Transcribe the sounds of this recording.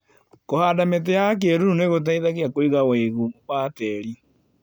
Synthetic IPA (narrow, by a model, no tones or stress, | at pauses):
kohaːdamet̬ejak̬eɾuɾuneɣot̬aiðaɣeakoiɣaweɣummaːtɛɾi